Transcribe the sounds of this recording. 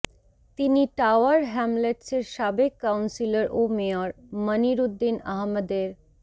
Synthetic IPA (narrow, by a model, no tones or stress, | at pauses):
t̪iniʈawəɾɦɛmleʈseɾʃabeɡkːawnsiləɾʔomiɔɾməniɾud̪ːina̰ɦməd̪eɾ